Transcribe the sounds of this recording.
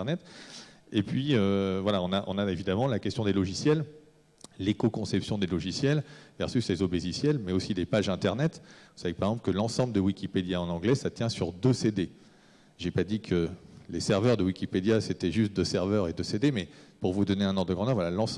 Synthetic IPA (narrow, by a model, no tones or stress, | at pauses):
nɛt̪ | epɥiøvwalaɔ̃naʔɔ̰̃naevid̪amɑ̃lakʲɛst̪jɔ̃d̪elɔʒisjɛl | lekokɔ̃sɛpsjɔ̃d̪elɔʒisjɛlvɛ̰ʁsyslezobezisjɛlmɛosid̪epaʒɛ̃t̪ɛʁnɛt̪vusavekpaʁɛɡzɑ̃pləkəlɑ̃sɑ̃bləd̪əwikʲiped̪jaɑ̃nɑ̃ɡlɛsat̪jɛ̃syʁd̪øsed̪e | ʒepad̪ikʰəlesɛʁvœʁd̪əwikʲiped̪jaset̪ɛʒyst̪̚d̪əsɛʁvœʁed̪əsed̪emɛpuʁvud̪ɔneɛ̃nɔ̃ʁd̪əɡʁɑ̃d̪œʁvwalalɑ̃s